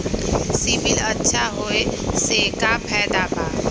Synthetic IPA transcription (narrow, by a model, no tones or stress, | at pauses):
sibɪlɐtːʃʰaɦoeseːkapʰɛːd̪abʱaː